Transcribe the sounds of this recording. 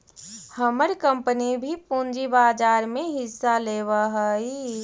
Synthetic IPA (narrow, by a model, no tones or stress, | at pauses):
həməɾkəmpənibʱipũːnd͡ʒibaːd͡ʒaːɾmẽɦɪsːaleːʋaɦəi